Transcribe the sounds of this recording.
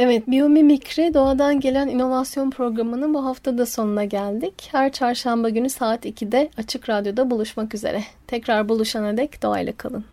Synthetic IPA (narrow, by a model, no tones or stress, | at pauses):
evɛt̪̚biomimicɾid̪o̞ad̪anɟe̞lʲænino̞vasjo̞npʰɾo̞ɡɾamɯnɯnbuɦaft̪ʰad̪aso̞nunaɟælʲd̪ichæɾt͡ʃʰaɾʃambaɟynysaːt̪icʰid̪ɛat͡ʃʰɯkɾad̪jo̞d̪abulˠuʃmakyzḛɾʔɛt̪ʰɛcɾaɾbulˠuʃanad̪ɛcd̪oa̰jlˠa̰kʰa̰lˠɯ̰n